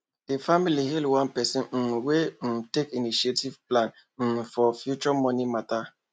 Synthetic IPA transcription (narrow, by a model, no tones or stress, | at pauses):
defamiliɦilwãnpɛsĩn̩wetekiniʃietivplãn̩ | fɔfjut͡ʃɔmɔnimata